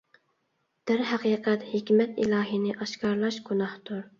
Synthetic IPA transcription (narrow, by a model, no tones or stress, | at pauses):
d̪̥æɾɦæqʰiːqɛt̪hekʲmɛt̪ilˠɑːɦinɪʔɑʃkɑɾlˠɑʃɡunɑht̪ʰʊɾ